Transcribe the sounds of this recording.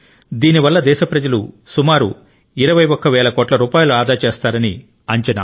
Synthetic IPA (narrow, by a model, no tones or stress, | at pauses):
d̪iːniʋɐlːɐd̪ɛːʃɐpɾɐd͡ʒɐlṵsumaːɾṵ | iɾɐʋɐjɔkːɐʋɛːlɐkoːʈlɐɾuːpaːjuluaːd̪aːt͡ʃeːst̪aːɾɐni | ɐɲt͡ʃɐna̰